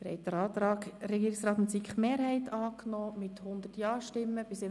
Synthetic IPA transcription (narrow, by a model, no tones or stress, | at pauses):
ɪɾhɛ̰ɪd̪əɾɑːt̪ɾɑːkɾɛɡiːɾɪksɾɑːt̪ɪnt͡sikχmeːɾɦɛɪt̪ɑːknɔːmɪt̪hʊnd̪ətjɑːʃtɪmːəb̥ɪsɪ